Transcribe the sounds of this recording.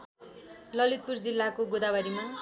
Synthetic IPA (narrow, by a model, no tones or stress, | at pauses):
lʌlit̪̚purd͡zilːakoɡod̪abʌɾima